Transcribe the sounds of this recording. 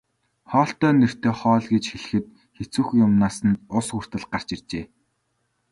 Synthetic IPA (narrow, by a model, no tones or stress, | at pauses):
χɔːɬt̪œːnːer̥t̪eːχɔːɮɡet͡ɕxeɮɘ̆xɘ̆t̪̚ | xet͡suːxjʊmnaːsə̆nt̪ʊsxur̥t̪ə̆ɮɢar̥t͡ɕirt͡ɕeː